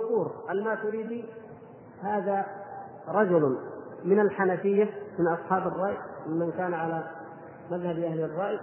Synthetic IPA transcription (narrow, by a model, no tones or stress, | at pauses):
kuːɾʔalmat̪ʊɾiːd̪i | haːða | ɾˤɑd͡ʒʊl | mɪnalħanafɪjːamɪnʔɑsˤħɑːbɑrˤːɑːʔjmɪmankaːnʕala | maðhabʔahlɪrˤːɑːʔj